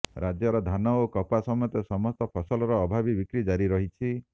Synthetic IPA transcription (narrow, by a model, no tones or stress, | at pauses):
ɾʔad͡ʒjɔɾɔd̪ʱanɔokɔpasɔmɔjɔt̪esɔmɔst̪ɔpʰɔsɔlɔɾɔːbʱabibikɾid͡ʒaɾiɾɔɦit͡ʃʰi